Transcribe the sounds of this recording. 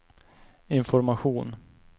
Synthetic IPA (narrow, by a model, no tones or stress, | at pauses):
ɪnfɔɾmaɧuːn